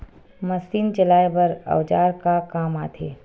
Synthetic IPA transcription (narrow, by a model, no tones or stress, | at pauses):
mɐsiːnt͡ʃɐlaːebɐɾɐ̰ʋd͡ʒaːɾkakaːmaːt̪ʰeː